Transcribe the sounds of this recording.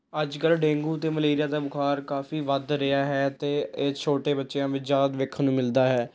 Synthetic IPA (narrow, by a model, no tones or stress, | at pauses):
əd͡ʒkəlɖẽːŋɡuːt̪eːməleːɾɪjaːd̪aːbʊkʰaːɾkaːfiːʋəd̪ɾɪaːɦɛːt̪eːet͡ʃʰoːʈeːbətːʃeãːʋɪt͡ʃd͡ʒaːd̪ʋɪkʰnũːmɪld̪aːɦɛː